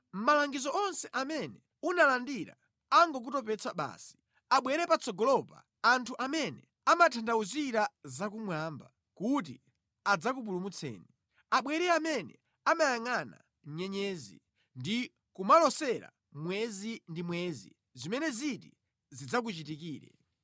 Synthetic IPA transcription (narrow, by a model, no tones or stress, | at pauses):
m̩malaŋɡizɔɔnsɛʔamɛnɛ | unalandiɾa̰ | aŋɡɔk̬utɔpɛt͡saɓa̰ːsi̥ | aɓwɛɾɛpat͡sɔɡɔlɔpa | antʰuʔamɛnɛ | amatʰandauziɾazak̬umwamba | kutḭ | ad͡zak̬up̬ulumut͡sʰɛ̰ːni | aɓwɛɾɛamɛnɛ̰ | amajaŋana̰ | ɲɛɲɛːzḭ | ndi | kumalɔsɛɾa̰ | mwɛzindimwɛzḭ | zimɛnɛziti | zid͡zak̬ut͡ʃitik̬iːɾɛ̰